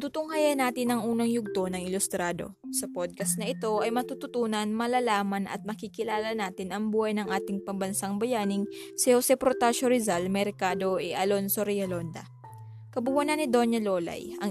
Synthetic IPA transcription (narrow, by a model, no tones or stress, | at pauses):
t̪ut̪ʊŋhajɐnaːt̪ɪnɐŋʔuːnɐŋjʊɡ̚t̪o̞nɐŋɪlʊst̪ɾaːd̪o̞̰sɐpod̪̚kɐsnɐʔɪt̪o̞ʔɐjmɐt̪ut̪ʊt̪uːnɐnmɐlalaːmɐnɐ̰t̪̚mɐkikɪlaːlɐnaːt̪ɪnɐŋbuːhɐjnɐŋʔaːt̪ɪŋpɐŋbɐnsaŋbɐjaːnɪŋ | sɛhosɛpɾot̪aʃoɾɪzalmɛɾkaːd̪o̞ʔɛʔɐlo̞nso̞ɾɛjɐlo̞nd̪ɐ̰ | kɐbʊwanɐnɪd̪o̞nɐlo̞ːlɐ̰jɐ̰ŋ